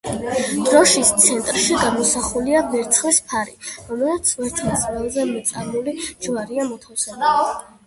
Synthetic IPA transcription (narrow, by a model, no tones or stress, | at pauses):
d̪̥ɾɔʃist̪sʰɛnt̪ʼɾʃiɡamɔsaχuliavɛɾt̪sʰχlispʰaɾiɾɔmɛsat̪sʰvɛɾt̪ʰasvɛlˠzɛmɛt̪sʼaɾmulid͡ʒwaɾiamɔt̪ʰawsɛla